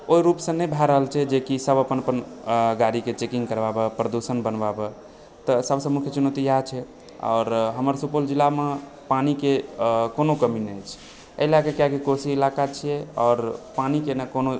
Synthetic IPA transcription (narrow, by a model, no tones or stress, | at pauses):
oiɾupsə̃nɛbʱɛɾəɦəlt͡ʃʰɛd͡ʒekisəbəpənəpənɡaɾiket͡ʃekĩŋɡkəɾbabəpɾəd̪usənbənbabə | t̪ɔsəbsəmukʰjət͡ʃunot̪ijat͡ʃʰɛ | ɔ̰ːɾɦəməɾsupold͡ʒilame | panikekonokəminəjt͡ʃʰ | əɪlakekjakikosiːlakat͡ʃʰijɛɔːɾpanikenəkono